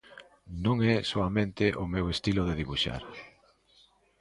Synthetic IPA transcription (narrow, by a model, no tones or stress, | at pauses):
nõŋɛsoamẽnt̪ɪʔomewest̪iloðeðiβuʃa̰ɾ